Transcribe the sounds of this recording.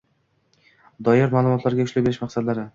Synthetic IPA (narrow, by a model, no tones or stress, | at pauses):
d̪ɒjɪɾmaːlˠʊmɒt̪ʰlaɾɡʲaʊʃlabeɾɪʃmaqsad̪laɾɪ